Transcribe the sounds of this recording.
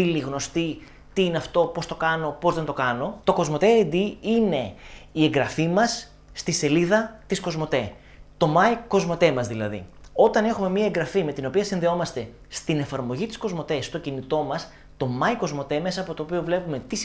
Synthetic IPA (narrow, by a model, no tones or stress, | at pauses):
iliɣno̞st̪i | t̪iineɐft̪o̞po̞st̪o̞kɐno̞po̞zðent̪o̞kɐno̞t̪o̞ko̞zmo̞t̪ed̪iine̞ieŋɡɾɐfimɐsː | t̪ise̞liðɐt̪isko̞zmo̞t̪e̞ | t̪o̞mɐiko̞zmo̞t̪e̞mɐzðilɐðḭo̞t̪ɐne̞xume̞miɐeŋɡɾɐfime̞t̪ino̞piɐsinðeo̞mɐst̪e̞ | st̪ine̞fɐɾmo̞ʝit̪i̥sko̞zmo̞t̪e̞sːt̪o̞cinit̪o̞mɐs | t̪o̞mɐiko̞zmo̞t̪e̞me̞sɐːpo̞t̪o̞ːpio̞vle̞pume̞t̪is